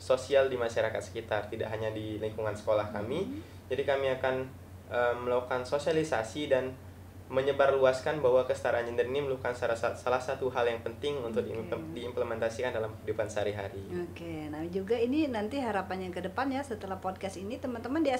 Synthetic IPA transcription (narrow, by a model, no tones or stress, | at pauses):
sosialdimaʃaɾakat̪sə̥kit̪art̪ida̰ʔɦaɲadiliŋkuŋansə̥kolahkami | d͡ʒadikamiakan | ʔəmːəlawkansosialisasidan | məɲəbarluaskanbahwakəsə̥t̪aɾaand͡ʒəndəɾiniməlukanssalahsat̪uɦaljaŋpənt̪ɪŋunt̪ʊk̚didiːmpləmɛnt̪asikandalamhidupansəaɾiɦaɾiokenad͡ʒuɡaininant̪iɦaɾapanjakədəpanjasət̪əlahpɔd̚kast̪init̪əmant̪əmandia